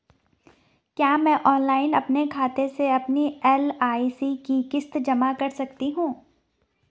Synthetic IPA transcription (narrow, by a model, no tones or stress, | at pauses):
kjaːmɛ̃ːʔɔːnlaːɪnɐpnekʰaːt̪eseɐpniɛːlaːisikikɪst̪d͡ʒɐmakɐɾsɐkt̪iɦũː